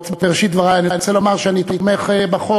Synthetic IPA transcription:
tveʁeʃit̪d̪vaʁaanint͡selomaʁʃeanit̪omeχebaχo

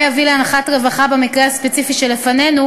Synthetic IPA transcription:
javileanaχatʁevaχabemikʁeaspet͡sifiʃelefane̞nu

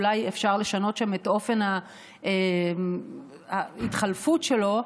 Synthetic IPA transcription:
lajefʃaʁle̞ʃano̞tʃametʔo̞fe̞nha | e | haitχalfutʃelo̞

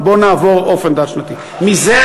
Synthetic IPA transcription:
bonavoɔfẽnd̪aɾʃnɐt̪ĩ | mizɛ

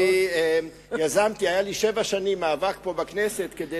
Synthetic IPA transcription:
ie | jazamt̪iajaliʃevaʃanimːaːvak̚po̞bakneset̪ked̪e

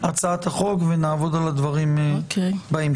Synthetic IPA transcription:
ʔat͡saat̪aχo̞kvenaːvo̞d̪alad̪vaʁim | baim

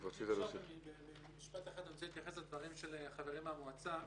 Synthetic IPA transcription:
vot͡sit̪alsiibebe | miʃpat̪eχad̪omt͡sehit̪jaχeslad̪vaʁimʃelχaveʁimamuat͡sa

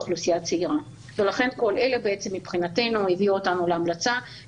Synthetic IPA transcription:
χlusijat͡seiʁa | ve̞laχe̞nko̞lʔe̞le̞bee̞t͡se̞mːipχinate̞nuiviuotanuleamlat͡sa

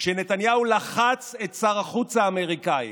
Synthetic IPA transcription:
ʃene̞t̪anjaulaχat͡se̞t̪saʁaχut͡saːme̞ʁikaḭ

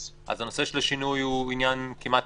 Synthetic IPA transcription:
ʔa̰zano̞seʃelaʃinujhuinjankimat

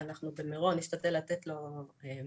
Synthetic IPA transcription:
anaχnubemeʁo̞nist̪at̪elat̪et̪lo̞e

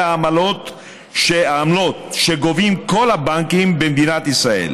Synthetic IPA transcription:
aːmalo̞t̪ | ʃeaːmlo̞t̪̚ʃeɡovimko̞labaŋkimbemd̪inat̪isʁae̞̰l

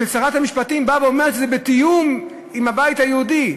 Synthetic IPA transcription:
let͡saʁat̪amiʃpat̪imbaveomeʃezɛbet̪ijum | imhabajit̪hajeud̪i

